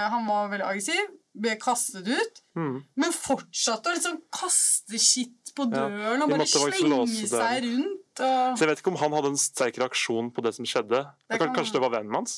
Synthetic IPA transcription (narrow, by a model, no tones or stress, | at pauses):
ɦɑnʋɑɾʋɛld̪ɪʔɑɡɾəsɪʋb̪ɛkʰɑst̪ət̪ʉːt̪mɛnfɔʈʂɑt̪ːəɔlɪt̪sɔnkʰɑst̪əçɪt̪ːpɔd̪øːəɳɔbɑɾd̪ɛʋɑɾɪoəsd̪æɪɾʉnt̪ɔsɔjɛʋeɪt̪ɪkɔmɦɑnhɑd̪ːəɛnst̪ʰæɾkəɾɛɑkʂuːnpʰɔd̪ɛsɔmʂɛd̪ːəɛkʰɑnʂəəd̪ɛʋɑɾʋɛnːmhɑns